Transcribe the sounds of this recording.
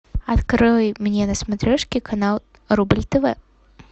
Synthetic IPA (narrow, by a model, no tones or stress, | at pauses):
ɐt̪kɾɨjmnʲenəsmɐt̪ɾʲɛʂkʲɪkɐnalˠ | ɾubɨlʲt̪ɨvɛ